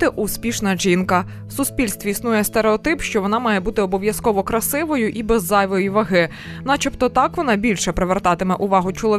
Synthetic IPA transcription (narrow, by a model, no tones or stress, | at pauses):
ɪʔuspʲiʃnɐʒinkɐ | wsʊspʲilʲst̪ʋʲiisnujɛst̪eɾeɔt̪ɪpʃt͡ʃɔʋɔnɑmɑjɛbut̪ɪɔbɔʋʲjɐskɔʋɔkɾɐsɪʋɔjʊʔibɛzːɑjʋɔjiʋɐɦɪ | nɑt͡ʃɪpt̪ɔt̪ɑkʋɔnɑbʲilʲʃɛpɾeʋert̪ɑt̪ɪmɛʔʊʋɑɦʊt͡ʃɔlˠɔ